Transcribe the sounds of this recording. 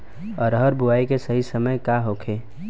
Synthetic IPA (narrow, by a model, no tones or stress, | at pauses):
ɔːɾɦəɾbuaːikesəɦisəməjkaɦoːkʰeː